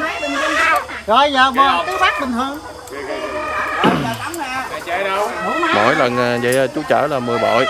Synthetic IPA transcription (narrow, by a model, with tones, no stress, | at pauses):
zɔ˧˩jzəː˨˩maː˨˩la˨˦t̪ɨ˨˦faː˦˥k̚ɓï˨˩ŋt̪ʰɨ˧əŋ˨˧ | mo̰˧˩˦jlə˨˩nː˨˩zə̰˧˨jt͡ɕu˨˦t͡ɕaː˧˩laː˨˩mɨ˨˩əɓɔ̰˧˨j